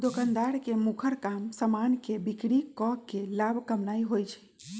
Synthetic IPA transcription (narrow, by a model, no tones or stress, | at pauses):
d̪okənd̪aɾkemukʰəɾkamsəmankebikɽikɔkːelabʱkəmnaiɦojt͡ʃʰɛ̥